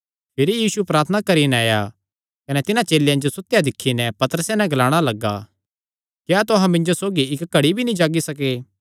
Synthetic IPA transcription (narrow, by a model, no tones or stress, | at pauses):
pʰɪɾijiːsupɾaːt̪ʰənakɐɾinaːja | kɐnɛt̪ɪnãt͡ʃeːljãd͡ʒosʊt̪ːjad̪ɪkʰːinɛpɐt̪əɾəsenɛ̃ɡɐlaːɽ̃alɐɡːa̰ | kjaːt̪ʊɦãmɪ̃nd͡ʒosoːɡiɪkɡɐɽibʱinĩd͡ʒaːɡisɐkeː